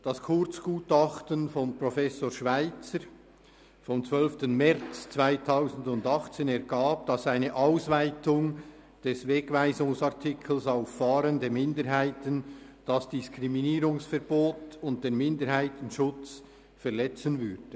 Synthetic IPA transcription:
d̥ɑskʰʊɾt͡sɡ̥uːtɑχtənfɔnpɾɔfɛsoːʃvaɪt͡səɾ | fɔmt͡svœlftənmɛʁt͡st͡sv̥aɪtʰaʊzn̩dʊndɑχt͡seːnɛʁɡaːb̚d̥ɑsaɪnəʔaʊsvaɪtʊŋ | d̥ɛsveːɡvaɪzʊŋsɑɐtʰɪkʰl̩saʊfːɑːɾəndeːmɪndəɾɦaɪtən | d̥ɑsd̥ɪskʁiminiːɾʊŋsfɛɐb̥oːtʊnt̚d̥eːnmɪndəɾhaɪtən̩ʃʊt͡s | fɛʁlɛt͡sənvʏɾd̥ə

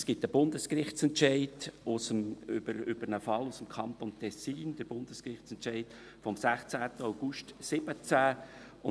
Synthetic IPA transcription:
sɡ̥ɪtəb̥ʊndəskrɪχt͡sɛntʃɛɪdʊsəmʏbəɾʏb̥əɾnəfɑlːusəmkʰɑnt̪oːntʰɛsiːnd̥əɾb̥ʊnd̥əskrɪχt͡sɛntt͡ʃɛɪd̥ | fɔmsæχt͡sæːt̪əaʊɡ̥uʃtsɪb̥ət͡sæ | ʊ

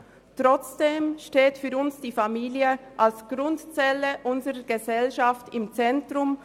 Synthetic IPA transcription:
tʁɔt͡sd̥eːmʃteːtfyːɾʊnsd̥iːfamiːliəʔalsɡ̥ɾʊntt͡sɛləʔʊnzəʁəɡ̥əzɛlʃaftɪmt͡sɛntʁʊm

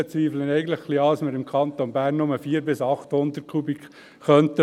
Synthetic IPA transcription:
ət͡sʋiːflənɛɡən̩tləχχliɑːəsməɾɪmkʰɑnt̪onbæːɾnːʊməfiːəɾbɪsɑχt̪hʊnd̪ət̚kʰubikː | œnt̪ə

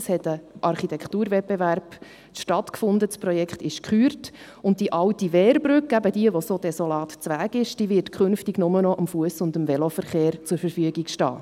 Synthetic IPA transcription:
shɛtəʔɑrχitɛktuːɾvɛb̥eværb̥ | ʃtɑtkfʊndəspɾɔjɛkχtɪʃkχyːɾt | ʊnt̚d̥iʔɑʊtiʋɛːɾbɾʏkæbəd̥iəʋosod̥ɛsolɑːtt͡sʋæːɡɪʃd̥iːʋɪɾtkʰχʏnftiɡnʊmənɔʔəmfuəsʊndəmvɛlofəɾχeːɾt͡sʊɾfəɾfyəɡikʃtɑ̰ː

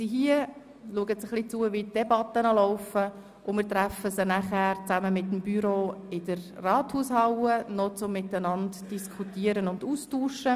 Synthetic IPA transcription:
siɦiə | luəɡətsəχlit͡suːəvitd̥ɛbɑtːənɑlɔʊfə | ʔʊmɪːɾtɾæfəsənæχæːɾt͡sæməmɪtːəmbyɾoːɪd̥ərrɑːthuːshɑwənɔt͡sʊmːɪtənɑntd̥iskʰutiəɾənʊnduːstuːʃə

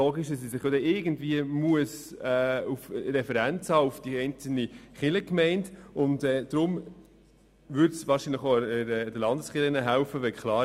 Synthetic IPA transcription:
oːɡɪʃdɑssisɪχjodɛɪɡən̩dviəmuəsɛːufɾɛfəɾænt͡shɑːufd̥iɛɪnt͡sl̩niχɪləkmɛɪntʊntɛːd̪̥ɾʊm | vʏɾtsvɑːɾʃiːnləχoɛdəlɑndəsχɪlənəɦæʊfəʋɛkχlɑː

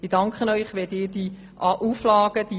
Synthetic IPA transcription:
ɪd̥ɑŋkχənœʏχʋɛdɪːɾd̥i | ʔɑʔuflɑːɡ̥əd̥i

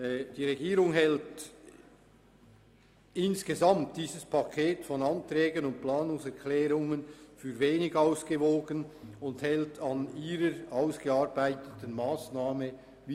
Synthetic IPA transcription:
d̥iːʁeɡiːɾʊŋɦɛlt | ɪnsɡ̥əzamtd̥iːzəspʰakʰeːtfɔnɑntʁɛːɡənʊnt̚plaːnʊŋsɛɾkʰlɛːʁʊŋənfyːɾveːnɪɡaʊsɡ̥əvoːɡənʊnthɛltɑniːɾəɾaʊsɡ̥əaɾbaɪtətənmaːsnaːmə | v

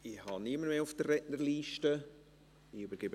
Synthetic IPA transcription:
ɪhɑniəməmeːʊfd̥ərːɛnəɾliːʃtə | ɪybəɾɡ̥ɪbə

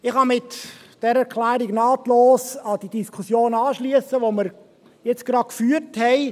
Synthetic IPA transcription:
ɪχhɑmɪt | d̥ɛɾəɛɾkʰlæːɾiɡnɑːt̪loːsɑd̥idiskʰusjoːnɑːʃliəsəʋoməɾ | jɛt͡sɡ̥ɾɑt̚kfyːəɾthɛɪ

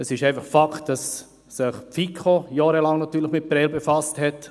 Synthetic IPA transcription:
əsɪʃɛɪfɑχfaktd̥ɑsː | ɪχpfikʰojɑːɾəlɑŋnatyːləχmɪt̚pɾɛlbefɑsthɛt

